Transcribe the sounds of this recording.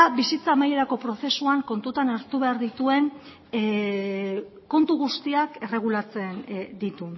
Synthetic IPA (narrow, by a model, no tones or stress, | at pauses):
bisit͡saːmaje̞ɾako̞pɾo̞θe̞suaŋko̞nt̪ut̪anaɾt̪uβeaɾðit̪ue̞n | ko̞nt̪uɣ̞ust̪iake̞re̞ɣ̞ulat͡se̞nd̪it̪u